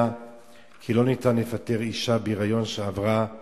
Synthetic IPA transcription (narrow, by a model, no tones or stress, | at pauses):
kʰilo̞nitanlefate̞ʁiʃabiʁajo̞nʃeavʁa